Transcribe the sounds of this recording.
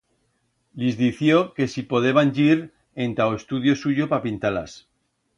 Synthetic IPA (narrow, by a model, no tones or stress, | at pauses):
lizðiθjo̞ke̞sipo̞ð̞e̞βanɟiɾ | ent̪aoest̪uðjo̞suʝopapint̪ala̰s